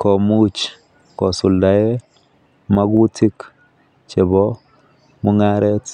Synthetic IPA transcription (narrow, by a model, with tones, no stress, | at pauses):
kɔ˨mu˦t͡ʃ | kɔ˨sʊ˨lda˨e˦ | ma˦ɡu˦tʰi˦k | t͡ʃe˨bɔ˦ | mu˦ŋa˦ɾɛ˦t